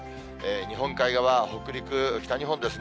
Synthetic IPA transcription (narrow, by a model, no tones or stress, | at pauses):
eɲ̟iɦõ̞ŋkaiɡaβaho̞kɯ̟ɾʲikɯ̟kʲi̥t̪aɲ̟iɦõ̞nd̪e̞sɨn